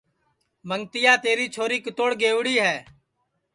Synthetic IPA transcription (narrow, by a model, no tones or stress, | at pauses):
məŋt̪ɪjaːt̪eːɾiːt͡ʃʰoːɾiːkət̪oːɽɡeːʋɽiːɦɛː